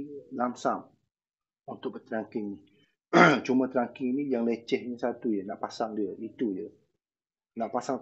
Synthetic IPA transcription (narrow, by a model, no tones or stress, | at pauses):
lamsam | unt̪ʊʔk̚bət̪ɾaŋkɪŋni | t͡ʃumə̃t̪ɾaŋkɪŋinĩjaŋlət͡ʃɛhɲəsat̪ujənaʔpasaŋdiəʔit̪ujə | naʔpasaŋ